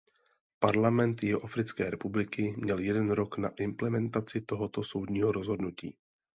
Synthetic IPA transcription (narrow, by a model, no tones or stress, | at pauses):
paɾlamɛnt̪jɛɦoʔafɾɪt͡skɛːɾɛpublɪkɪmɲɛljɛdɛnɾo̞kna̰ʔɪmplɛmɛnt̪at͡sɪt̪o̞ɦot̪o̞so̞wdɲiːɦoɾozɦo̞dnucḭː